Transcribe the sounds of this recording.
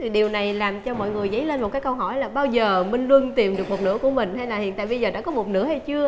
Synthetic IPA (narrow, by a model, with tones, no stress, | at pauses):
t̪ʰi˨˩ɗi˨˩əwna˨˩jlaː˨˩mt͡ɕɔ˧mɔ̰˧˨jŋɨ˨˩əjzə˨˦jle˧nmo˨˩t̚kaː˨˦jkə˧wɦɔ˧˩jlaː˨˩ɓaː˧wzəː˨˩mi˧ŋlwə˧nt̪i˨˩mɗɨ˨˩ək̚mo˨˩t̚nɨ̰˧˥əku˧˩əmï˨˩ŋ̟ha˧jlaː˨˩hḭ˧˨nt̪a̰ː˧˨jɓə˧jzəː˨˩ɗa̰ː˧˥kɔ˨˦mo˨˩t̚nɨ̰˧˥əha˨˩t͡ɕɨ˧ə